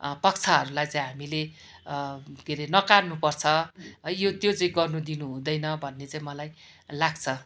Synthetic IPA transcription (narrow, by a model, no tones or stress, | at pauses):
pʌk̚t͡sʰaɦʌɾulajt͡saĩj̃ɦamile | keɾenʌkarnupʌrt͡sʰʌʌjot̪jot͡saĩɡʌrnud̪inuɦũd̪ʌjnʌbʱʌnːet͡saĩmʌlaj | laɡt͡sʰʌ